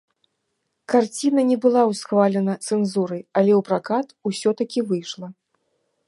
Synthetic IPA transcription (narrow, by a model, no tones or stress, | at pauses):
kart͡sʲin̪ɐnʲɛbɨlˠawsxvalʲɛnɐt̪sɛnzuɾɐjɐlʲɛwpɾakat̪usʲɔt̪ɐkʲivɨjʂlˠɐ